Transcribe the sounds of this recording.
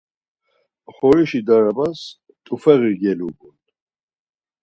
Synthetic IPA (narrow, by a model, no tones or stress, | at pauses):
χɔɾiʃid̪aɾabas | t̪ʼufɛɣiɡɛluɡunt̪